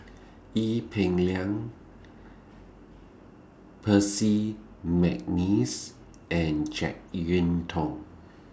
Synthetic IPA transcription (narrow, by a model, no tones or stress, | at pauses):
ʔipʰɛ̃ŋliãŋ | pʰəsi | mɛk̚nis | ʔɛ̃nd͡ʒɛ̰k̚ɹĩntʰɔ̃ŋ